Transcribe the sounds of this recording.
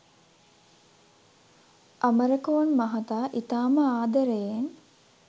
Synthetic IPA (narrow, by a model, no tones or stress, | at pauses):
ʔɐməɾəkoʋɐnmɐɦɐt̪aːʔit̪aːməaːd̪əɾejen